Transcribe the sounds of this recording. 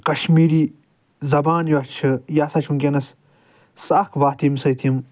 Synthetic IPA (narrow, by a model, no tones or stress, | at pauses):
kɐʃmiːɾiː | zɐbaːnjɐt͡ʃʰɨjaːsɐt͡ʃʰimkʲenɐs | sɐkʰʋaːt̪imsɐjt̪ʰijim